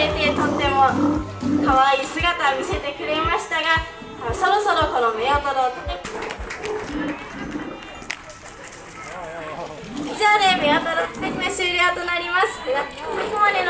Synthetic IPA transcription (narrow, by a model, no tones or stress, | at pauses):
et̪e̞t̪o̞t̪ːe̞mo̞kaβaiːsɨɡat̪aomʲise̞t̪ekɯ̟ɾe̞maɕi̥t̪aɡa | so̞ɾo̞so̞ɾo̞ko̞nomeat̪oɾot̪ | izaːnemeat̪oɾot̪eineɕɨːɾʲeat̪o̞naɾʲimasɨ̥jaokomad̪en